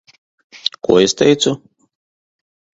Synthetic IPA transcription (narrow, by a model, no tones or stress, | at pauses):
kṵɔɪst̪ʲɛjt̪su